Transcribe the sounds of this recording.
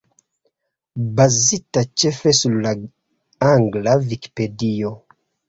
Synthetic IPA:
bazitat͡ʃefesuɾla | aŋɡlaviki̥pedio

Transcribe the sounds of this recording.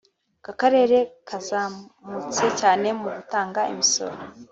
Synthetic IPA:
kakaɾe̞ːɾe̞kʰazaːmut͡se̞caːne̞muɡutaːŋɡaḭmiso̞̰ɾo

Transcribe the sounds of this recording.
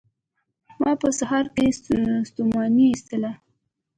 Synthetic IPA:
mɑpəsaɦɑɾkest̪umɑniːst̪əla

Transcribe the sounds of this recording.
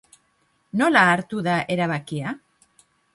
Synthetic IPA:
nolaːɾt̪uðaʔe̞ɾaβ̞akia

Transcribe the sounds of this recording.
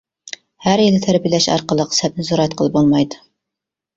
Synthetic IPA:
hæɾjild̪ɛt̪ʰæɾbijlɛʃɑ̰ɾqəlˠəqshɛt̪̚nɪzoɾɛt̪̚qʰəlˠɨp̚bolˠmɑjd̪ɨ

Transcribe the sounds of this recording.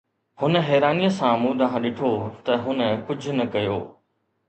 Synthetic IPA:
hʊnə̆ɦɛːɾaːnijəsãmũːd̪ɐɦãɗɪʈʰot̪ɐɦʊnə̆kʊd͡ʑʱʊ̆nɐkɐjoː

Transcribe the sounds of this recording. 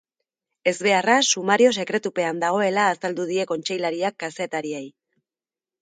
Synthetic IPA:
e̞zβe̞arasumaɾio̞se̞kɾe̞t̪upe̞and̪aɣ̞o̞e̞laːsald̪uð̞ie̞ko̞nt͡ʃe̞jlaɾiakːase̞t̪aɾiej

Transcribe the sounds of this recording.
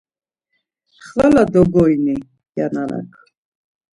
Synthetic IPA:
χvɛlad̪ɔɡɔjni | janana̰kʰ

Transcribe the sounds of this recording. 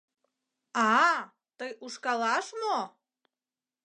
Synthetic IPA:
ɑ | t̪əjʔuʃkɑlɑʃmo

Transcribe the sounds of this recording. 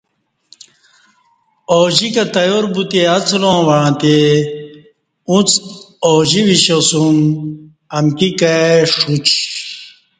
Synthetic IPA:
oːʑikɐt̪ɐjoɾbut̪eɐt͡slõːwɐɻãt̪e | ũt͡soːʑiwiɕosum | ɐmkikaʂut͡ɕ

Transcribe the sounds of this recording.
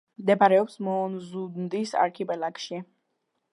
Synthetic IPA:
md̪ɛpaɾɛɔpsmɔːnzud̪nd̪isa̰ɾkʰipʼɛlakʃi

